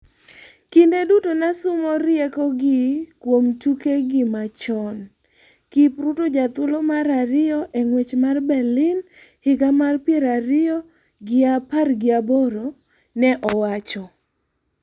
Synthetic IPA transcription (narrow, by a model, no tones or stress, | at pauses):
kindedutonasʊmɔɾjekɔɡɪkwomtukeɡɪmat͡ʃɔn | kipɾutod͡ʒat̪ʊlomaɾaɾɪɔʔeŋwet͡ʃmarbɛlɪn | hɪɡamarpjeɾaɾɪɔ | ɡɪaparɡɪabɔɾo | nɛʔɔwat͡ʃɔ